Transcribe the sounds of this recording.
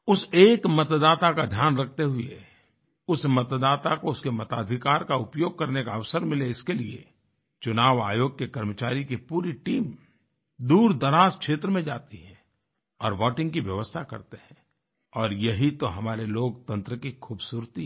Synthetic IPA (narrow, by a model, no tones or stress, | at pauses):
ʊseːkmɐt̪d̪aːt̪akad̪ʱjaːnɾɐk̚ʰt̪eɦʊḛ | ʊsmɐt̪d̪aːt̪akoʊskemɐt̪aːd̪ʱɪkaːɾkaʊpjoːɡ̚kɐɾnekaɐʋsəɾmɪleɪskeliḛ | t͡ʃʊnaːʋaːjoːɡ̚kekɐɾmət͡ʃaːɾikipuːɾiʈiːm | d̪uːɾd̪ɐɾaːzkʃeːt̪ɾəmẽd͡ʒaːt̪iɦɛ̃ | ɔːɾʋɔːʈɪ̃ŋɡkiʋjɐʋəst̪ʰakɐ̰ɾt̪eɦɛ̃ː | ɔːɾjɐɦit̪oɦɐmaːɾeloːɡt̪ɐ̃nt̪ɾəkikʰuːbsuːɾt̪i